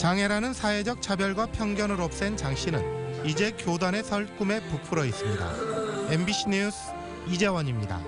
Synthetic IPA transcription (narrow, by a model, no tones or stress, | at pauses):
t͡ɕaŋɦe̞ɾanɯnsʰaed͡ʑʌk̚t͡ɕʰabjʌɭɡwapʰjʌŋɡjʌnɯɾoʌp̚s͈ent͡ɕaŋɕ͈ʰinɯ̰nid͡ʑe̞kjodane̞sʰʌɭk͈ume̞pupʰuɾʌis͈ɯmɲida̰embiɕʰiɲusʰ | id͡ʑe̞wʌɲimɲida̰